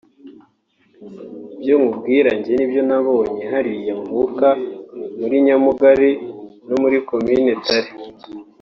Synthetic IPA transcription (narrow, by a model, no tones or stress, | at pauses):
ibjoŋubɡiːɾaɲɟe̞nibjo̞naβo̞ːɲe̞ɦaɾije̞muβukamuɾiɲamuɡaɾino̞muɾiko̞mine̞taɾe